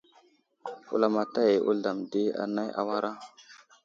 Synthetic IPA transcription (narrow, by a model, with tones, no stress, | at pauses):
ṵ˨la˨ma˨ta˦je˨ʔṵ˦ɮa˨mdi˦a̰˦na˦jʔa̰˦wa˦ɾa˦